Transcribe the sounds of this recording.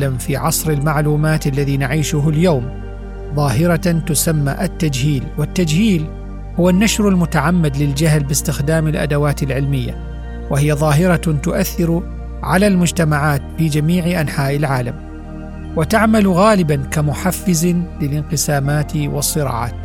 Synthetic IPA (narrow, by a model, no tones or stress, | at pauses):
lamfiːʕɑsˤɾɪlmaʕluːmaːt̪ʔalːaðiːnaʕiːʃʊɦʊljawm | ðˤɑːɦɪɾɑt̪ʊsamːa̰ʔat̪ːad͡ʒhiːlwɪt̪ːad͡ʒhiːl | hʊwanːaʃɾɪlmʊt̪aʕamːad̪lɪld͡ʒaɦlbɪst̪ɪxd̪aːmɪlʔa̰d̪awaːt̪ɪlʕɪlmɪjːa̰ | wahɪjaðˤɑːɦɪɾɑt̪ʊʔaθːɪɾ | ʕalaːlmʊd͡ʒt̪amaʕaːt̪fiːd͡ʒamiːʕɪʔanħaːʔɪlʕaːlam | wɪt̪aʕmalɣaːlɪbankamʊħafːɪzlɪlʔɪnqɨsaːmaːt̪wɑsˤːɨɾɑ̰ːʕa̰ːt̪